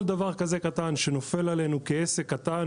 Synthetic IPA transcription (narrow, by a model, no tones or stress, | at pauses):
ld̪avaʁkaze̞kat̪anʃeno̞fe̞lale̞nukeesekːat̪an